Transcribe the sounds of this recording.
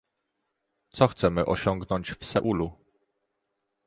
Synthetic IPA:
t̪sɔxt̪sɛmɘʔɔɕɔŋɡnɔɲt͡ɕfsɛʔulu

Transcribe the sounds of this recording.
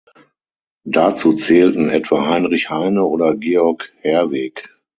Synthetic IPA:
dat͡suːt͡sɛːltn̩ɛ̰tv̥aːhaɪnʁɪçhaɪnəoːdɐɡeːɔɐkhɛɐvɛːk

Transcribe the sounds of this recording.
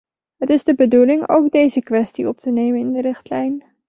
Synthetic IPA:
ɦətɪzdəbədulɪŋo̰wɡ̚dejzəkʋɛstiɔp̚tənejmənɪndəɾɪχtlɛjn

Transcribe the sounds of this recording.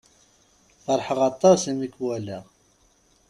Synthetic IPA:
fɑɾˤħəʁɑt̪ˤːɑsimikwælæ

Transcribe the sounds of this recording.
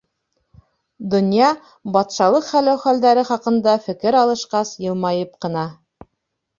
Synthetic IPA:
d̪ŏnjɑ | bɑt̪ʃɑlˠɤqχælæwχæld̪æɾɘχɑqɤ̆nd̪ɑfɘ̆kɘɾɑlˠɤ̆ʃqɑsjɤ̆lˠmɑjɤp̚qɤ̆nɑ

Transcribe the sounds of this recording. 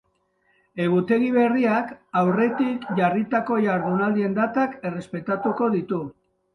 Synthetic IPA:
e̞ɣut̪e̞ɣiβ̞e̞riakawre̞t̪ikʝarit̪ako̞jaɾðunald̪ie̞nd̪at̪ake̞re̞spe̞t̪at̪uko̞ðit̪u

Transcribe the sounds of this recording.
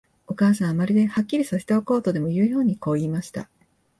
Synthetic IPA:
o̞kaːs̬ãɰ̃amaɾʲid̪e̞hakʲːiɾʲisaɕi̥t̪eoko̞ːt̪od̪e̞mo̞jɯ̟ːjo̞ːɲ̟iko̞ːiːmaɕi̥t̪a̰

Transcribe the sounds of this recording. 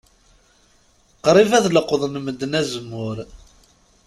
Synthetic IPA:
qɾˤivæðləqðˤnməd̪ːnæzəmːʊɾ

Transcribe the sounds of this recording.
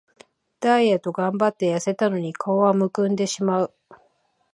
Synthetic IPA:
d̪̥aiet̪o̞ɡãmbat̪ːe̞jase̞t̪ano̞ɲ̟ikʰaoβamɯ̟kɯ̟̃nd̪e̞ɕimaɯ̟

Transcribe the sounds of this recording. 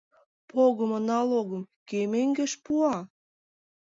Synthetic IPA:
poɣəmənɑloɣə̆mkemeŋɡeʃpuɑ

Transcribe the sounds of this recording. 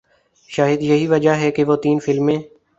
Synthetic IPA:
ʃaːɦɪd̪jɐɦiːʋɐd͡ʒaɦɛkeʋoːt̪iːnfɪlmẽː

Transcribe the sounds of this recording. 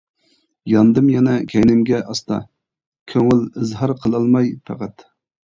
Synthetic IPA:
jɑnd̪ɨmjɛnɛkʲʰɛjnɪmɡʲɛʔɑst̪ɑ̰ | kʲʰøŋɪlɨzɦɑɾqʰəlˠɑlˠmɑjpʰæ̰qæt̪

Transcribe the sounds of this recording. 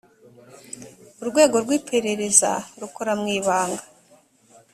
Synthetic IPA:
uɾɡwe̞ːɡo̞ɾɡwiːpʰe̞ɾe̞ɾe̞za̰ɾukoɾamŋiːβaːŋɡḁ

